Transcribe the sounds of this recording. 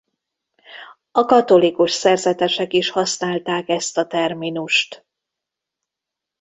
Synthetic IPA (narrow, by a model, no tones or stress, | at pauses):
ɒkɒt̪o̞likuʃsɛrzɛt̪ɛʃɛkiʃhɒsnaːlt̪aːkɛst̪ɒt̪ɛrminuʃt̪